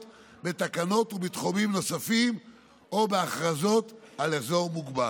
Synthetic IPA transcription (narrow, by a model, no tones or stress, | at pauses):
t | be̞t̪akano̞t̪ubit̪χomimno̞safim | o̞beaχʁazo̞t̪alezo̞ʁmuɡba